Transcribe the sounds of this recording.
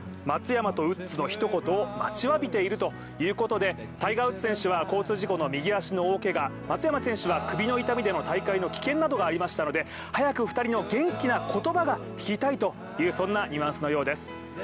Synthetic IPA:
mat͡sɨjamat̪o̞ɯ̟t͡sɨno̞çi̥t̪o̞ko̞t̪oːma̰t͡ɕiβabʲit̪e̞iɾɯ̟t̪o̞ | jɯ̟ːko̞t̪o̞d̪e̞ | t̪aiɡaɯ̟t͡sɨ̥sẽ̞ɰ̃ɕɨβako̞ːt͡sɨːʑiko̞no̞mʲiɡʲiaɕino̞oːke̞ɡa | mat͡sɨjamasẽ̞ɕɨβakɯ̟bʲino̞it̪amʲid̪e̞no̞t̪aikaino̞kʲi̥kẽ̞nːad̪o̞ɡaːɾʲimaɕi̥t̪ano̞d̪e̞ | hajakɯ̟ɸɯ̟̥t̪aɾʲino̞ɡẽ̞ŋkʲinakʰo̞t̪o̞baɡakʲi̥kʲit̪ait̪o̞ | jɯ̟ːsõ̞nːaɲʲiβãsɨno̞jo̞ːd̪e̞sɨ̥

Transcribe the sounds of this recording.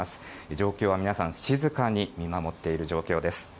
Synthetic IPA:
asɨ̥ | ed͡ʑo̞ːkʲo̞ːβamʲinasãɰ̃ɕizɨkaɲ̟imʲimamo̞t̪ːe̞iɾɯ̟ʑo̞ːkʲo̞ːd̪e̞sɨ̥

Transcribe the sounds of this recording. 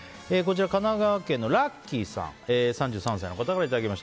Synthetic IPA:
eːko̞t͡ɕiɾakanaɡaβakẽ̞nːo̞ɾakʲːisã̰ŋesãɲ̟d͡ʑɨːsãsajno̞kat̪akaɾait̪ad̪akʲimaɕt̪a

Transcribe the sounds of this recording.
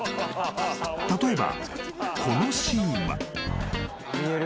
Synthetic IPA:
t̪at̪o̞e̞ba̰kʰo̞no̞ɕĩɰ̃βa̰

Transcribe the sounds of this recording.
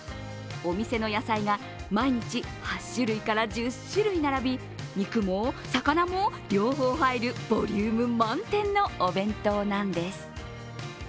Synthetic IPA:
o̞mʲise̞no̞jasaiɡa | maiɲ̟it͡ɕihaɕːɨɾɯ̟ikaɾad͡ʑɨɕɨɾɯ̟inaɾabʲi | ɲikɯ̟mosakanamo̞ɾʲo̞ːɦo̞ːhaiɾɯ̟b̥o̞ɾʲɨːmɯ̟mãnt̪ẽ̞nːo̞ːbẽ̞nt̪o̞nãnd̪e̞sɨ̥

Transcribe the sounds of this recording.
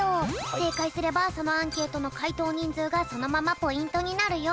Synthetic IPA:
ose̞ːkaisɨɾe̞baso̞no̞ãŋke̞ːt̪o̞no̞kait̪o̞ːɲ̟ĩnd͡zɨːɡaso̞no̞mamapo̞ĩnt̪o̞ɲ̟inaɾɯ̟jo

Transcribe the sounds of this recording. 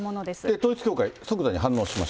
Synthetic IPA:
monod̪esd̪et̪oːit͡sɨ̥kʲoːkaiso̞kɯzaɲ̟iɦãnːo̞ːɕima̰ɕ

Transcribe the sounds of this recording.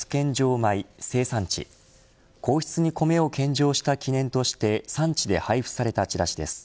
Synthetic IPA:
ɨ̥kẽ̞ɲ̟d͡ʑo̞ːmaise̞ːsãɲ̟t͡ɕḭ | kʰo̞ːçi̥t͡sɨɲ̟iko̞me̞o̞kẽ̞ɲ̟d͡ʑo̞ːɕi̥t̪akʲʰinẽ̞nt̪o̞ɕi̥t̪e̞sãɲ̟t͡ɕid̪e̞̰haiɸɯ̟̥saɾe̞t̪at͡ɕiɾaɕid̪e̞̰sɨ̥

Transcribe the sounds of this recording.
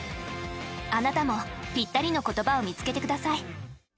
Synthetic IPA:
anat̪amo̞pʲit̪ːaɾʲino̞ko̞t̪o̞bao̞mʲit͡sɨ̥ke̞t̪e̞kɯ̟d̪asai

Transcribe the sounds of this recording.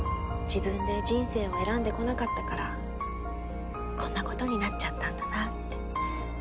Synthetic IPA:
d͡ʑibɯ̟̃nd̪e̞d͡ʑĩɰ̃se̞ːβae̞ɾãnd̪e̞ko̞nakat̪ːakaɾa | kõ̞nːako̞t̪o̞ɲ̟inatt͡ɕat̪ːãnd̪anat̪ːe

